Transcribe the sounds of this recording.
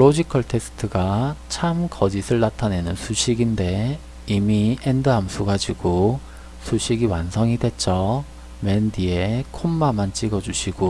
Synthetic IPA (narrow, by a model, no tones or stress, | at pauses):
ɾod͡ʑikʰʌɭtʰe̞s͈ʰɯ̥tʰɯɡat͡ɕʰamkʌd͡ʑisʰɯɭnatʰane̞nɯnsʰuɕʰiɡinde̞ | imiendɯɦamsʰuɡad͡ʑiɡo | sʰuɕʰiɡiwansʰʌŋidwe̞t̚t͡ɕ͈ʌ | mendie̞kʰomːamant͡ɕ͈iɡʌd͡ʑuɕʰiɡ̥o